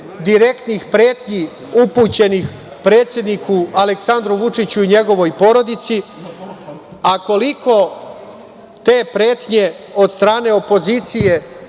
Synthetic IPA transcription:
d̪iɾe̞kt̪nixpɾe̞ːt̪ɲi | uput͡ɕe̞nix | pɾe̞ːt̪sje̞d̪nikʰualeksand̪ɾuʋut͡ʂit͡ɕuiɲe̞ɡo̞ʋo̞jpo̞ɾo̞d̪it̪si | ako̞likʰo̞ | t̪e̞ːpɾe̞ːt̪ɲe̞ | o̞d̪st̪ɾaːne̞o̞po̞ziːt̪sije̞

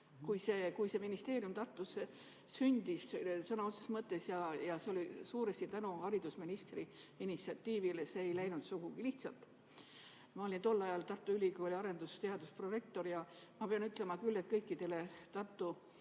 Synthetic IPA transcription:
kujse̞ːkujse̞minist̪e̞ːɾiumt̪ɑrt̪ːˑuse | synʲd̪̥issɑnɑut̪sesmɤt̪ːˑe̞sjɑjɑseo̞lʲisuːɾest̪it̪ænuhɑɾid̪̥usminist̪riinit̪siɑt̪ːiːvileseːjlæjnud̪̥suɡ̥uɡ̥iliht̪sɑ̰lt̪ˑ | mɑo̞lʲint̪o̞lːɑjɑlt̪ɑrt̪ːˑuylʲikoːlʲiɑɾe̞nd̪ust̪eɑd̪uspro̞re̞k̚t̪o̞ɾjɑmɑpeɑnyt̪ˑle̞mɑkylːe̞t̪̚kɤjkːˑid̪e̞let̪ɑrt̪ːˑu

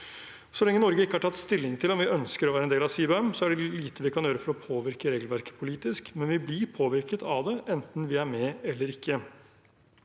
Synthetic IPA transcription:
sɔlɛŋːənɔɾɡəɪkːəhɑʈʰɑt̪ːst̪ɪlːɪŋt̪ʰɪlɔmʋɪʔœnskəɾɔʋæːɾɛneːlɑsiːbɛmsɔæɖɛliːt̪əʋɪkʰɑnjøːɾəfɔɾɔpʰoːʋɪɾkəɾeːɡlʋæɾkə̥pʰʊliːt̪ɪskmɛnʋɪblɪɾpʰoːʋɪɾkət̪ʰɑʋd̪ɛʔɛnt̪n̩ʋɪæɾmɛɛlːəɾɪkːə

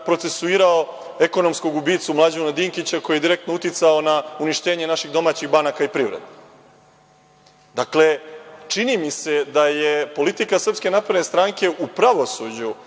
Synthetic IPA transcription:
pɾo̞t̪se̞suiːɾao | eko̞no̞msko̞ɡubiːt̪sumlˠad͡ʑunad̪iːŋkit͡ɕako̞jed̪iɾe̞k̚t̪nout̪it̪saonauniʃt̪e̞ːɲe̞naʃiɣd̪o̞maːt͡ɕiɣbanakaipɾiːʋɾḛd̪e | d̪akle̞t͡ʂinimise̞d̪ajepo̞lit̪ikasr̩pske̞napɾed̪nest̪ɾaːŋke̞ʔupɾaʋo̞sud͡ʑu

